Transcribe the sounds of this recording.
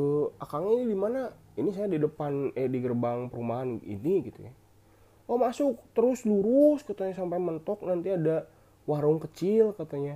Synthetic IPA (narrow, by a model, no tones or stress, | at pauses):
əakaŋanidimana | inisajadidəpanɛdiɡərbaŋpəɾumaɦanḭniɡit̪ṵja̰ | wamasʊk̚t̪əɾʊsluɾʊskat̪aɲasampajmənt̪ɔk̚nant̪iada | waɾʊŋkət͡ʃilkat̪aɲa